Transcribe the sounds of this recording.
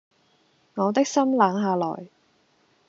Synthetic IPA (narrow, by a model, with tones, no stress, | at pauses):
ŋɔː˨˧t̪ɪ˥k̚sɐ˥mlaː˨˥ŋɦaː˨˧lɔ̰ː˨˩j